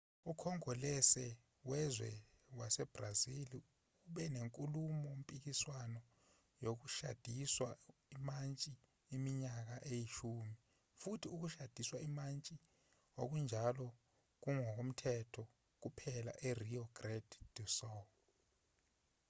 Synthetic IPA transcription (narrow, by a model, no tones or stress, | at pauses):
ukʰɔŋɔlɛsɛ | wɛzwɛ | wasɛb̥razili | uɓɛneŋkʼulumɔom̩pʼik̬iswanɔ | jok̬uʃa̰d̥ʱiswa̰imant͡ʃʼiː | miɲak̬aʔejiʃumi | futʰiuk̬uʃad̥ʱiswaimant͡ʃʼi | o̰k̬und͡ʒʱalɔ | k̬uŋɔk̬om̩tʰɛtʰɔ | k̬upʰɛla̰ʔeriɔɡ̥rɛd̥d̥usɔ